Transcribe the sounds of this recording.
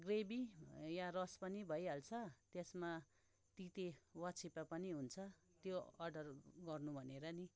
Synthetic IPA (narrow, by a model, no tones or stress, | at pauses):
ɡrebijarʌspʌnibʱʌjɦalt͡sʰʌt̪esma | t̪it̪ewʌt͡sʰipapʌniɦunt͡sʰʌ | t̪joʌrɖʌrɡʌrnubʱʌneɾʌni